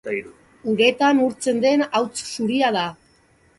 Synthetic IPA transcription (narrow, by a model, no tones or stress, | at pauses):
uŋɡe̞t̪anuɾt͡se̞nd̪e̞nawt͡ssuɾiað̞a